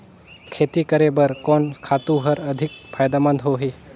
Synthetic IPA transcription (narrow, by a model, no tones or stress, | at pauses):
kʰeːt̪ikəɾebəɾkɔːnkʰaːt̪ũɦɐɾɐd̪ʱɪk̚pʰaːjd̪aːmə̃nd̪ɦoːɦiː